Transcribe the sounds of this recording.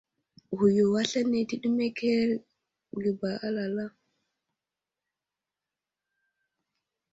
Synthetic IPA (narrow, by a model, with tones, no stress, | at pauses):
hu˨jɔ˨wa˦ɬa˦ne˨ti˦ɗu˦mɛ˦kʰɛ˦l | ɡi˨ba˨ʔa˦la˨la˦